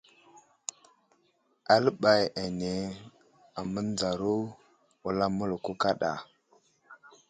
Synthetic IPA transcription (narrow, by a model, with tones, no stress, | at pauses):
a˦lɓa˨ja˨ne˨ | a˨mə˦n˦d͡za˨ɾu˦ | wu˦la˦mu˦lku˦ka˦ɗa̰˨